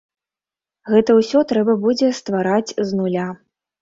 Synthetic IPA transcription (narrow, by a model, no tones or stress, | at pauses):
ɣɛt̪ɐwsʲɔt̪ɾɛbɐbud͡zʲɛst̪vaɾat͡sʲznulʲa